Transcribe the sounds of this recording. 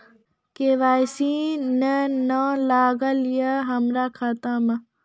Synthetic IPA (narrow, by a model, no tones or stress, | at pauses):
keʋaːjsĩnənaːlaːɡəlijəɦɐmɾaːkʰat̪amɐ